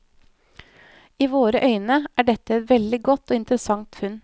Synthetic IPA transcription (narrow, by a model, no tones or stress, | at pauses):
iːʋoːɾəʔœʏnəʔæːɖɛt̪əɛt̪ʋɛld̪ɪɡɔt̪ːoːɪnt̪əɾəsɑŋt̪fʉn